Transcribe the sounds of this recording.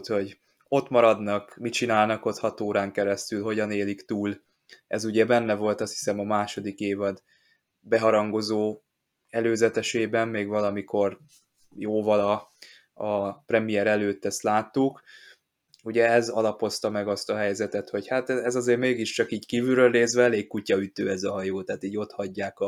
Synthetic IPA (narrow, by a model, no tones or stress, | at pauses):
t̪ho̞ɟ | o̞t̪mɒɾɒd̪nɒkmit͡ʃinaːlnɒko̞t̪hɒt̪oːɾaːŋkɛɾɛst̪ylɦo̞ɟɒneːlikt̪uːl | ɛzuɟɛbɛnːɛvo̞lt̪ɒst̪hi̥sɛmɒmaːʃo̞d̪ikeːvɒd̪ | bɛɦɒɾɒŋɡo̞zoː | ɛløːzɛt̪ɛʃeːbɛmːeːɡvɒlɒmikʰo̞r | joːvɒlɒ | ɒprɛmijɛɾɛløːt̪ːɛst̪laːt̪ːuk | uɟɛɛzɒlɒpo̞st̪ɒmɛɡɒst̪ɒɦɛjzɛt̪ɛt̪ho̞chat̪ɛɛzɒzeːɾmeːɡiʃt͡ʃɒkiːckiːvyɾøːlneːzʋɛɛleːkːucːɒyt̪øːɛzɒɦɒjoːt̪aːt̪iːɟo̞t̪hɒɟːaːkɒ